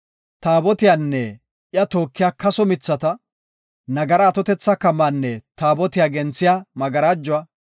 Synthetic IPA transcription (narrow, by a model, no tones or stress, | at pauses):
t̪aːbɔt̪ɪjaːnːɛ | ʔɪjɐt̪oːkːɪjaːkɐsɔmɪt͡sːɐt̪ɐ | nɐɡɐɾɐːt̪ɔt̪ɛt͡sːɐkɐmːanːɛt̪aːbɔt̪ɪjaːɡɛnt͡sːɪjaːmɐɡɐɾaːd͡ʒːʊwaː